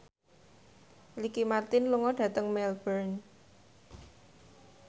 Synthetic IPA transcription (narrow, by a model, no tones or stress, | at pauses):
likimart̪ɪnluŋɔɖ̥ä̤t̪əŋmɛlbərn